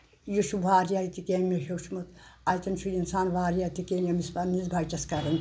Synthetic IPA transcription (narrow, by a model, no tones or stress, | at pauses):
juʃuʋaːɾijajt̪ikeːnmeʃowʃʰmɐt̪ɐjt̪ɐnt͡ʃʰujinsaːnʋaːɾjaːt̪ikenjɐmispanːizbʱajt͡ʃɐskɐɾɐn